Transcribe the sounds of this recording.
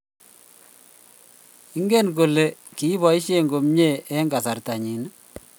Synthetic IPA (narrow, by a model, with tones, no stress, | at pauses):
i˦ŋɡe˦nko˨le˨ki˨˦βɔ˨i˦ʃje˦ŋɡo˨mɲe˦˨ʔɛ˦ŋɡa˨sa˨rta˨ɲi˨na˦